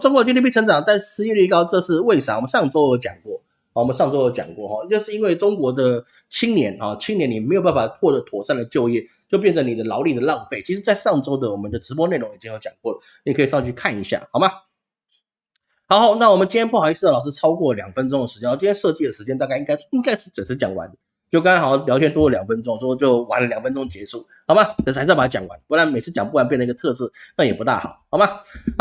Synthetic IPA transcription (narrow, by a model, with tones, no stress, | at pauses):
ʈ͡ʂŋkwɔ˧˥t͡ɕli˥˩pi˥˩˧ŋʈ͡ʂɑ˨˩ŋ˧t̪a˥˩ʂɻ̩˧˥ɛ˥˧li˥˧˥kɑ˥˧ʊʈ͡ʂɤ˥˧ʂɻ̩˥˧we˥˩ɪʂa˨˩ŋwmə˦nʂɑ˥˩ŋʈ͡ʂo˥ʊjo˧˥ʊt͡ɕjɑ̰˨˩ŋkwɔ˥˩ | hɑ˨˩wɔ˨˩mə˦nʂɑ˥˧ŋʈ͡ʂo˥ʊjo˧˥t͡ɕjɑ̰˨˩ŋkwɔ̰˥˩xɑ˥˩o˥˧ʂɻ̩˥˩i˥nwe˥˩ɪʈ͡ʂʊ˥ŋkwɔ˧˥d̪ə˧ | t͡ɕʰi˥ŋnjɛ˧˥nxɑ˥˩t͡ɕʰi˥ŋnjɛ˧˥ni˨˩me˧˥jo˨˩p̬a˥˩n˩fa˨˩t̪ʰwɔ˥˩ə˧˦t̪ʰwɔ˨˩ʂa˥˩nlə˩t͡ɕjo˥˧ʊjɛ˥˩ | t͡ɕjo˥˧ʊp̬jɛ˥˩nʈ͡ʂə˦ni˨˩d̪ə˦lɑ˧˥ʊli˨˩d̪ə˩lɑ˥˧ʊfe˥˩ɪt͡ɕʰi˧˥ʂɻ̩˧˥t͡sa˥˧ɪʂɑ˥˩ŋʈ͡ʂo˥ʊd̪ə˨wɔ˨˩mə˦nd̪ə˨ʈ͡ʂɻ̩̬˧˥wɔ˥ne˥˩lʊ˧˥ŋi˨˩t͡ɕi˥ŋjt͡ɕjɑ̰˨˩ŋkwɔ˥˩lə˩ | ni˨˩kʰi˨˩ʂʰt͡ɕʰy˥˧kʰa˥˩ni˧˥ɕja̰˥˩xɑ˨˩ma˧˦ | xɑ˧˥ʊxɑ˧˥ʊna˥˩wɔ˨˩mə˦nt͡ɕi˥njɛ˥pʰu˥˩xi˧˥t͡s̩̪ʰ˥˧˥ɑ˨˩ʂ̩˥ʈ͡ʂʰɑ˥ʊkwɔ˥˩˨ljɑ˨˩ŋfə˦˥nʈ͡ʂʊ˥ŋə˩ʂɻ̩˧t͡ɕjɛ˥˨˩t͡ɕi˥jʰʲɛ˥ʂɤ˥˧t͡ɕi˥˩d̪ə˩ʂɻ̩˧˥t͡ɕjɛ˥nt̪a˥˧ka˥˧ɪi˥ŋka˥ɪ˥i˥ŋka˥ɪʂɻ̩˥˩t͡swə˨˩nʂɻ̩˥t͡ɕjɑ˨˩˦ŋwa̰˧˥nd̪ə˨ | t͡ɕjo˥˩ʊkɑ˥ŋ˥xljɑ˧˥ʊt͡ɕʰɛ˥nt̪wɔ˥lə˨ljɑ˨˩ŋfə˥nʈ͡ʂʊ˥ŋwɔ˥˧t͡ɕjo˥˩ʊwa˧˥nlə˨ljɑ˨˩ŋfə˥nʈ͡ʂʊ˥ŋd̪ə˩t͡ɕjɛ˧˥ʂu˥˩ | xɑ˨ʊma˧˦˥a˨˩a˧t͡ɕjɑ̰˨˩˦ŋwa̰˧˦n˩pu˥˩la˥nme˨˩ɪt͡sʰɹ̩˥˩t͡ɕjɑ˨˩ŋpu˥˩la˥np̬jndlɡə˩t̪ʰɤ˥˧ʈ͡ʂɻ̩˥˩na˥˩jɛ˨˩pu˧˥t̪a̰˥˩xɑ̰˨˩˦ʊɑ˨˩ʊma˧